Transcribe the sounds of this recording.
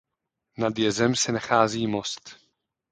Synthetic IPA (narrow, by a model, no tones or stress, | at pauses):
nad̪jɛzɛmsɛnaxaːziːmost̪